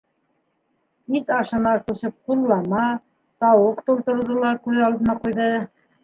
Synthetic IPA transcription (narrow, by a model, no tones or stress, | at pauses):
isɑʃɤ̆nɑkʉsɘp̚qulˠːɑmɑ | t̪ɑwoqt̪ulˠt̪ŏɾðŏlˠɑɾkʉðɑlˠd̪ɤ̆nɑqujðɤ